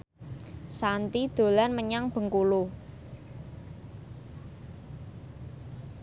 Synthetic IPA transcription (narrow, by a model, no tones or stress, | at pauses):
sant̪id̪̥o̤lanməɲaŋb̥ə̤ŋkulu